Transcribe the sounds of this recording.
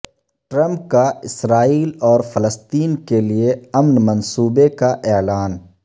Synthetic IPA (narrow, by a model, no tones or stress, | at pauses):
ʈɾə̃mp̚kaɪsɾaːiːlɔːɾfʰələst̪iːnkelieɐmnmɐnsuːbekaʔɛːlaːn